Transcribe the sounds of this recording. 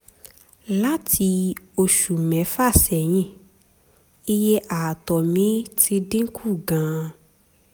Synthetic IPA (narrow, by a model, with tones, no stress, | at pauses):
la˦tʰi˧ | o˧ʃu˨mɛ̃˨˦fa˦˨sɛ˨j̃ĩ˧˨ | i˦je˦ʔa˨tɔ˨mĩ˨˦ti˧dĩ˦kʰu˦˨ɡã˨˦